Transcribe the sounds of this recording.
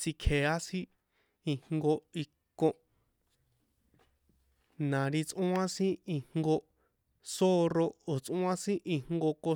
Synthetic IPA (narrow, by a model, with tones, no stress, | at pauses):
si˧kʰe˨a˦sĩ˦ | i˧hŋɡo˧i˧kõ˧ | nã˨ɾi˧t͡sʔũ˦ã˦sĩ˦i˧ŋŋɡo˧ | so˦ro˧o˨t͡sʔũ˦ã˦sĩ˦ʔĩ˧ŋ̥ŋɡo˧ko˧